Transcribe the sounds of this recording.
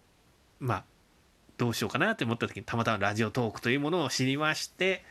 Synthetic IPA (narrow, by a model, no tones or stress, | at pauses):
maː | d̪̥o̞ːɕio̞ːkanat̪ːeomo̞t̪ːat̪o̞kʲiɲ̟it̪amat̪amaɾaʑio̞t̪o̞ːkɯ̟̥t̪o̞jɯ̟ːmo̞no̞ːɕiɾʲimaɕi̥t̪e̞